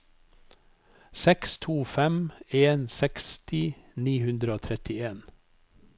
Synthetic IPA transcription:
sɛkst̪ʰuːfɛmeːnsɛkst̪ʰɪniːhʉnd̪ɾəoːt̪ʰɾɛt̪ɪeːn

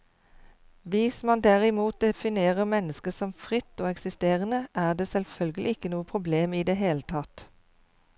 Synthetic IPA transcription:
ʋɪsmɑnd̪æʁɪmuːt̪̚d̪ɛfɪneːʁəmɛnəskəsɔmfʁɪt̪ːoːɛksɪst̪eːʁənəʔæːʁd̪eːsɛlfœlɡəlʔɪɪkːənuːəpʰʁʊbleːmiːd̪eːɦeːlət̪ʰɑt̪

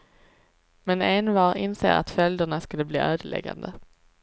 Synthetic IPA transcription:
mɛnenvɑːɾɪnsḛːɾa̰t̪fœld̪əɳaskɵləblḭːʔøːd̪əɭɛ̰ɡa̰nd̪ə

